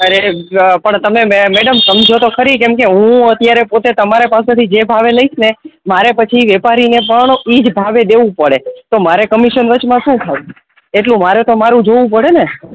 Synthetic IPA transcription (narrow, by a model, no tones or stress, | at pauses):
əɾepəɳt̪əmemeɽəmsəmd͡ʒʱot̪okʰəɾikɛmkeɦũət̪jaɾepot̪et̪əmaɾepasẽt̪ʰid͡ʒebʱaʋeləiʃnemaɾepət͡ʃʰiʋɛpaɾinepəɳid͡ʒbʱaʋed̪eʋũpəɽet̪omaɾekəmiʃənʋət͡ʃmãʃũt̪ʰaũ | eʈlũmaɾet̪omaɾũd͡ʒoʋũpəɽene